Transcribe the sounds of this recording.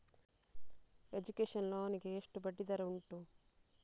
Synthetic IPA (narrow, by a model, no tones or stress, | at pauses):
e̞d͡ʒukeːʂɐnloːɐnikeːʂʈubɐɖːid̪ɐɾɐuɳʈu